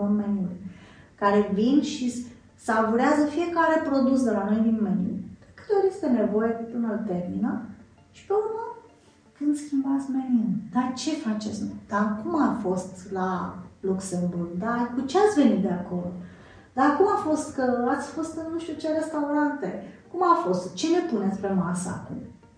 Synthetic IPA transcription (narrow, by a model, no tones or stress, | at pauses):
onmenulʲkaɾe̞vinʃi | savuɾeazəfije̞kaɾe̞pɾo̞d̪us̬d̪elano̞jd̪inmeniṵd̪̥ekɨ̥t̪eoɾje̞st̪e̞ne̞vo̞jepɨnəlat̪e̞rminə | ʃi̥pe̞uɾmə | kɨnd̪skʲimbat̪sʲme̞niund̪at͡ʃe̞fat͡ʃet̪sʲnojd̪̥akumafo̞st̪laluksemburɡd̪akut͡ʃeat̪sʲve̞nit̪̚d̪e̞ako̞l | d̪akumafo̞st̪kəat̪sʲfo̞st̪nuʃt̪ut͡ʃe̞ɾe̞st̪auɾant̪e̞kumafo̞st̪t͡ʃe̞le̞punetsʲpe̞masəa̰kṵm